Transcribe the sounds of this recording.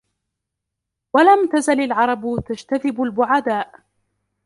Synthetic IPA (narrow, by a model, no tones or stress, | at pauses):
walamt̪azalalʕɑɾˤɑbt̪ad͡ʒt̪aðɪbalbʊʕad̪aːʔ